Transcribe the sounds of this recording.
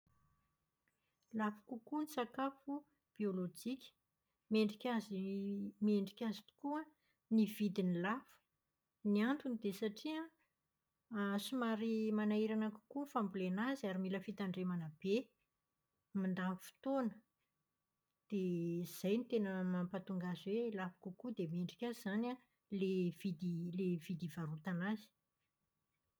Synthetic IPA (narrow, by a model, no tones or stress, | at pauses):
lafḁkukunisakafu | b̥iolod͡ʒikʲə̥ | meɳɖ͡ʐikʲazimieɳɖ͡ʐikʲazit̪u̥kua | niv̥id̪inilafə̥ | niant̪unid̪esaʈ͡ʂia | asumaɾimanaiɾanaku̥kufambulenaziaɾimiləfit̪aɳɖ͡ʐemanab̥e | mand̪amfi̥t̪onə | d̪̥ez̥ajnit̪enəmampat̪uŋɡazeilafḁkukud̪emeɳɖ͡ʐikʲazana | levid̪ilev̥id̪ivaɾut̪anazi̥